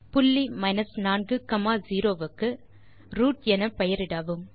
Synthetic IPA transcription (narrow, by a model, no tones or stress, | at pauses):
pʊlːimɐɪnɐsnaːnɡɯkɐmaːziːɾoːʋɯkːɯ | ɾuːʈɛnɐpɛjɐɾɪɽaːʋɯm